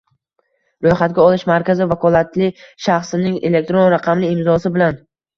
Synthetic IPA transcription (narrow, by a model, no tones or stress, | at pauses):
ɾojχat̪̚ɡʲaɒlˠɪʃmaɾkʲazɪvakʰɒlˠat̪lɪʃaχsɪnɪŋe̞̰le̞k̚t̪ɾonɾaqʰɑmlɪɪmzɒsɪbɪlan